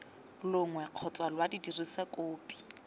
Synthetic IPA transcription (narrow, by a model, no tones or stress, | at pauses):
lʊŋwɛq͡χʰɔt͡sʼwalwadidirisakoːpʼi̥